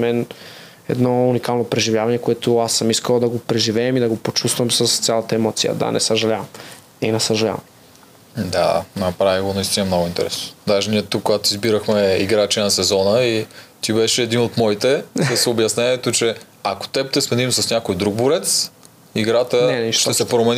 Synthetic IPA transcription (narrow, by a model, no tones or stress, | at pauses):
mɛn | ɛ̰d̪nɔunikalˠnopɾɛʒivjavɐnɛkoɛt̪ʊasːəmiskəlˠd̪ɐɡopɾɛʒivɛːmid̪ɐɡopot͡ʃust̪vɐmsəst̪sʲjalˠɐt̪əɛmɔt̪sijə̰d̪a̰nɛ̰səʒɐlʲavɐm | ḭnɛsɐʒɐlʲa̰vɐm | d̪a̰nɐpɾaviɡonɐist̪inəɛmnɔɡʊint̪ɛ̰ɾɛsno̥d̪aʒɛniɛt̪ukːoɡat̪ʊizbiɾəxmɛiɡɾat͡ʃɛnɐsɛzɔnəit̪ʲibɛʃɛːd̪inot̪mɔit̪ɛd̪ɐsɛobjɐsnʲɛɛt̪ʊt͡ʃɛ | ako̥t̪ɛp̚t̪ɛsmɛd̪imsɐsnʲakojd̪ɾuɡ̚boɾɛt̪s | iɡɾat̪ənɛniʃt̪ɛsɛpɾomɛn